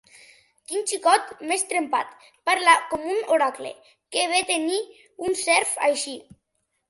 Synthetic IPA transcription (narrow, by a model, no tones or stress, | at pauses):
kint͡ʃikɔt̪mest̪ɾempa̰t̪ | paɾlakomunoɾaklḛ | keβet̪eni | unsɛɾfa̰jʃi